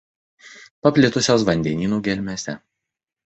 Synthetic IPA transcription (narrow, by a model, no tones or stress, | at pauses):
pɐpʲlʲɪt̪ʊsʲoːsʋɐnʲd̪ʲɛnʲiːnuːɡʲɛlʲmʲɛsʲɛ